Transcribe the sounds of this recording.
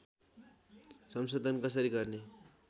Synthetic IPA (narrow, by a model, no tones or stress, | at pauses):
sʌmsod̪ʱʌnkʌs̬ʌɾiɡʌrne